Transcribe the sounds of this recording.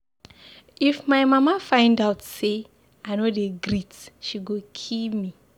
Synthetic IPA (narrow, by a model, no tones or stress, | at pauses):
ifmaɪmamafãɪ̃ndaʊtse | aɪnodeɡɾitʃiɡokʰipmi